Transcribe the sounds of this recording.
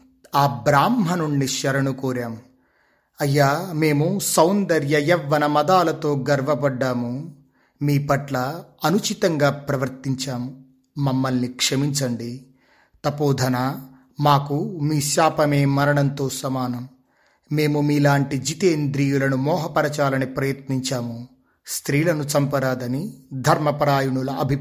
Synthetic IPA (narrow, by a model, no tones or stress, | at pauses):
aːbɾaːmɦɐnuɳɖiʃɐɾɐɳukuːɾaːm | ɐjːaːme̞ːmusɐwnd̪ɐɾjɐjɛʋːɐnɐmɐd̪aːlɐt̪o̞ːɡɐɾʋɐbɐɖːaːmu | miːpɐʈlɐɐnut͡ʃit̪ɐŋɡaːpɾɐʋɐɾt̪iɲt͡ʃaːmː | ɐmːɐlnikʂɐmiɲt͡ʃɐɳɖi | t̪ɐpoːd̪ʱɐna | maːkumiːʃaːpɐmeːmɐɾɐɳɐnt̪o̞ːsɐmaːnɐmː | e̞ːmumiːlaːɳʈid͡ʒit̪eːnd̪ɾijulɐnumɔːɦɐpɐɾɐt͡ʃaːlɐnipɾɐjɐt̪niɲt͡ʃaːmu | st̪ɾiːlɐnut͡ʃɐmpɐɾaːd̪ɐnid̪ʱɐɾmɐpɐɾaːjuɳulɐɐbʱi